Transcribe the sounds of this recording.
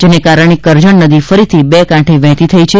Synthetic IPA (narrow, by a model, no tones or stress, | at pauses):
d͡ʒenekaɾəɳ̃ekəɾd͡ʒəɳnəd̪ifəɾit̪ʰibekãʈʰeʋɛ̃t̪it̪ʰəit͡ʃʰe